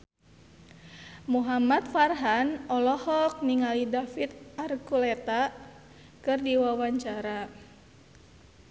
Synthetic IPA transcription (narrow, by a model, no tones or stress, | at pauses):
muɦamat̪̚farɦanɔlɔhɔk̚niŋalidafit̪̚arkulɛt̪a | kɨrdiwawaɲt͡ʃaɾa